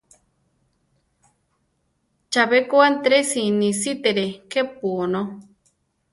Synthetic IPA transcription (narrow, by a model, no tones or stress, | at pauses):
t͡ʃaβekoant̪ɾesinisit̪eɾekep̚uno